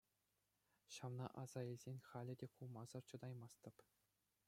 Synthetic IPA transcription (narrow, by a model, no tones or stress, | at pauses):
ɕɑʋnɑ̰ʔɑz̥ɑilʲzʲenʲχɑlʲɘ̆dʲekulˠmɑzɤ̆rt͡ɕɤ̆d̪ɑjmɑst̪ɤ̆p